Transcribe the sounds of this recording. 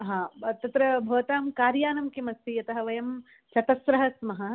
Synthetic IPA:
ɦãːt̪ɐt̪ɾɐbʱɐʋɐt̪aːmkaːɾjaːnɐmkimɐst̪ijɐt̪ɐɦɐʋɐjɐm | t͡ʃɐt̪ɐsɾɐɦɐsmɐɦɐ

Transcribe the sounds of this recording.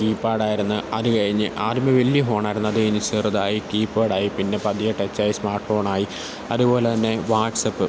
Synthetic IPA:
kiːpːaːɽaːjiɾunːɨɐðɨkɐɻiɲːɨʔaːɾumeʋeljɐɦo̞ːɳaːjiɾunːɐðɨkɐiɲːɨt͡ɕeːrɐðaːjikiːpːaːɽaːjipinːe̞pɐðijɐʈːet͡ɕːaːjismaːrʈfo̞ːɳaːji | ɐðupo̞ːle̞t̪ɐnːe̞ʋaːʈsɐpːɨ

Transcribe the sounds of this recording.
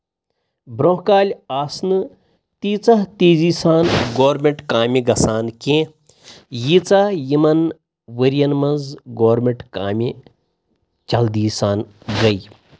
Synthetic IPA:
bɾõɦkaːlʲaːsnɨ | t̪iːt͡sɐɦt̪iːziːsaːnɡoːɾmeɳʈkaːmʲiɡɐsaːnkẽ | jit͡sajimɐn | ʋəɾijɐnmɐnzɡoːɾmẽɳʈkaːmʲi | t͡ʃɐld̪iːsaːn | ɡɐi

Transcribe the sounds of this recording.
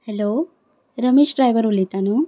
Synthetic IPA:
heloː | ɾɐmisɖɾajʋɐɾulit̪anu

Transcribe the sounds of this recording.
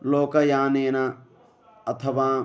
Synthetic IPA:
loːkɐjãːneːna | ɐt̪ʰɐʋaː

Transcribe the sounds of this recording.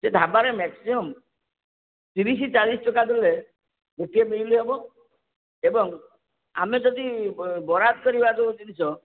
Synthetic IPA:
sed̪ʱabaɾemɛksimɔm | t̪iɾis̬it͡ʃalisʈɔkat̪ile | ɡeʈiemiɾliɦebɔ | ebɔŋ | a̰med͡ʒɔd̪ibɔɾad̪̚kɔɾibad͡ʒɔbot̪id̪it͡ʃʰɔ

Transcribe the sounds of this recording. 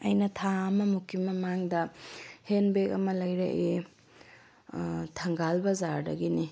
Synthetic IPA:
ɐjnɐtʰaɐmɐmukʰimɐmaŋdɐhenbekɐmɐlɐjɾḛʔe | tʰɐŋɡalbɐzaɾdɐ̰ɡini

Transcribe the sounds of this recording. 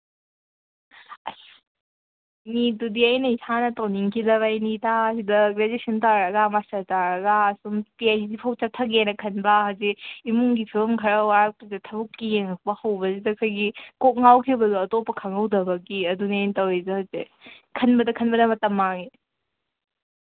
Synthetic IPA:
ɐs | nitudiɐjnɐisʰanɐtɐwniŋkʰidɐβajnitaːsidɐɡɾedesʰɐntaɾɐɡɐmastɐtaɾɐɡɐːsumpiajsidipʰɐwt͡ʃatʰɐɡenɐkʰɐnbɐhaziimuŋɡipʰilmkʰɐɾɐwaɾɐk̚pɐzɐtʰɐbukːijeŋɐk̚bɐhɐwbɐzidɐsʰajɡikok̚ŋawkʰibɐduɐtopːɐkʰaŋɐwdɐbɐkiɐdunentɐwezɐhaze | kʰɐnbɐdɐkʰɐnbɐdɐmɐtɐmːaŋi

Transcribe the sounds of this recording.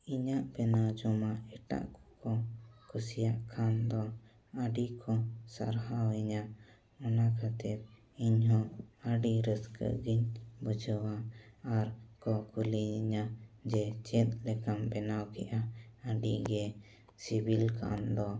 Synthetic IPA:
iɲaʔbɛnawd͡ʒɔmaɛʈa̰ʔkɔ̥kɔkʰusijaʔkʰand̪ɔ | əɖikʰɔsa̰ɾɦawɛɲa | ɔnakʰat̪ɛt̪̚ | iɲɦɔ̃əɖiɾəskə̰ɡiɲbəd͡ʒəwaːɾkɔkʰuliiɲad͡ʒɛt͡ʃɛt̪̚lɛkambɛnawkɛʔaəɖiɡɛ | sibilkʰa̰nd̪ɔ

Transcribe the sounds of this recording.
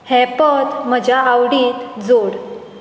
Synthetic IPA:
hɛpət̪m̤əd͡ʑʱjaawɽiːt̪d͡zoɽ

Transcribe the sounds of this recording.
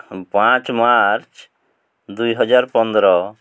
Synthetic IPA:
pãt͡ʃmaɾt͡ʃ | d̪ujɦɔd͡ʒaɾpɔnd̪ɾɔ

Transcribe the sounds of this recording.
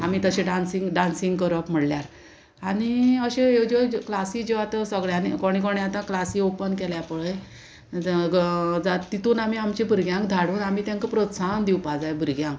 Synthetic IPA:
amiːt̪əɕeɖansĩŋɡɖansiŋɡkəɾəpm̤əɽljaɾ | aɽ̃iəɕeed͡ʑeklasiːd͡ʑeʋat̪əsəɡɭjanikoɽ̃ikoɳjat̪ãklasiopənkɛljapəɭej | d͡zat̪it̪uːnam̤iamt͡ɕibʱuɾɡjãŋkd̪ʱaɽuːnamiːt̪jãŋkəpɾot̪sand̪iwpad͡zajbʱuɾɡjãŋk

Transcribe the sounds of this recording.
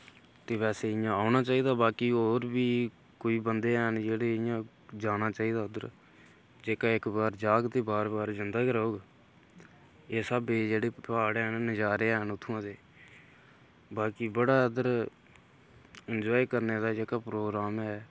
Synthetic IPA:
t̪eːʋɛːseːɪjãːaːnaːt͡ʃaːiːd̪aːbaːkiːoːɾbiː | koːiːbənd̪eːɛːnd͡ʒeːɽeːɪjãː | d͡ʒaːnaːt͡ʃaːiːd̪aːəd̪əɾ | d͡ʒeːkaːɪkbaːɾd͡ʒaːɡt̪eːbaːɾbaːɾd͡ʒɪnd̪aːkɾəoːɡ | eːsəbeːd͡ʒeːɽeːpaːɽnnəd͡ʒaːɾeːɛnʊt̪ʰːuːãːd̪eː | baːkiːbəɽaːəd̪əɾ | ənd͡ʒɔːikəɾneːd̪aːd͡ʒeːkaːpɾoːɡɾaːmɦɛː

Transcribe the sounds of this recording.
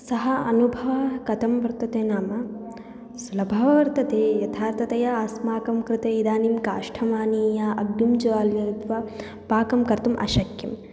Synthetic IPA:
sɐɦɐɐ̰nubʱɐʋɐkɐt̪ɐmʋɐɾt̪ːɐt̪eːnaːmɐ | sulɐbʱaːʋɐʋɐɾt̪ɐt̪eːjɐt̪ʰaːɾt̪ɐt̪ɐjɐasmaːkɐmkɾɪt̪eid̪aːnimka̰ːʂʈʰɐmaːniːjaːʔɐɡnumd͡ʒɐaːljɐd̪ʋɐ | paːkɐmkɐɾt̪umʔɐ̰ʃɐkjɐm

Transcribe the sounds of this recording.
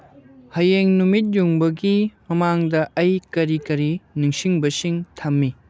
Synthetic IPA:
hɐjeŋnumit̬̚juŋbɐɡimɐmaŋdɐʔɐjkɐɾikɐɾiniŋsiŋbɐsiŋtʰɐmːi

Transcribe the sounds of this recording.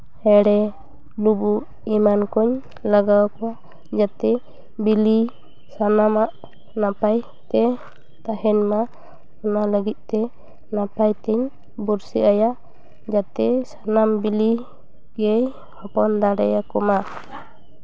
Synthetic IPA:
hɛɽɛ | lubu | imankɔɲ | laɡawkɔ | d͡ʒat̪ɛ | bili | sanamaʔ | napaj | t̪ɛ | t̪aɦɛɲma | ɔnaləɡit̪̚ˀt̪ɛ | napajt̪ɛɲ | buɾsiʔaja | d͡ʒat̪ɛsanambili | ɡɛj | hɔpɔnd̪aɽɛjakɔma

